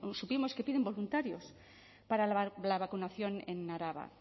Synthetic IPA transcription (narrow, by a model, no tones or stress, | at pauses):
supimo̞ske̞piðe̞mbo̞lunt̪aɾjos | paɾalaβakunaθjo̞nḛnːaɾaβa̰